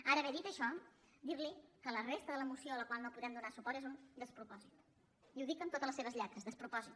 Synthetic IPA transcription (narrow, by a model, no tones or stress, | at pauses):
aɾəːβɛðit̪əʃɔ | d̪iɾlikələrest̪əðələmusioələkwalˠnopuðɾɛmd̪unasupɔɾt̪ezund̪əspɾupɔzit̪ | iuðikənt̪ot̪ələseβəzʎɛt̪ɾəzðəspɾupɔzit̪